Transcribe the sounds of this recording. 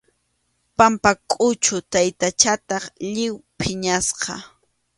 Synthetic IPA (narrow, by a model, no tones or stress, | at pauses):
pampakʼʊt͡ʃʊt̪ajt̪at͡ʃat̪ɑχʎɪwpʰɪɲasqɑ